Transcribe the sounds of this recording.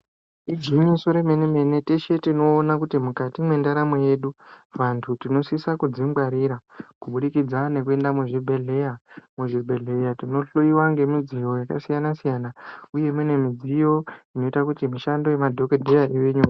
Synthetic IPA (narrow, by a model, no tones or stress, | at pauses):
iɡiɲiso̞ɾe̞meneme̞ne̞te̞ʃetino̞ːnakutimukatimwe̞ndaɾameje̞ɗuʋantʰutino̞sisakud͡zimɡwaɾiɾakuɓuɗikid͡zane̞kue̞ndamuʐibʱeɮejamuʐibʱe̞ɮe̞jatino̞ɬoiwaŋɡe̞mid͡zijo̞jakasijanasijanauje̞mwene̞mid͡zijo̞ino̞itakutimiʃando̞jemadʱo̞kedʱejaʔiweɲua